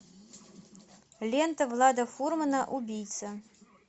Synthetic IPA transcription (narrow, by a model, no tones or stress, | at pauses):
lʲɛnt̪ɐwlˠad̪ɐfurmɐnɐʔubʲijt̪sɐ